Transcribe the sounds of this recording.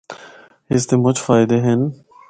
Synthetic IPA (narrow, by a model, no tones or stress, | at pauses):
hɪst̪emʊt͡ʃfaːɪd̪eɦɛn